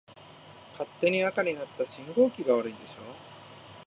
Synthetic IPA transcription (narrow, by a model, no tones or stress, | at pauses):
kʰat̪ːe̞ɲ̟iakaɲ̟inat̪ːaɕĩŋɡo̞ːkʲiɡaβaɾɯ̟ĩnd̪e̞ɕo̞ː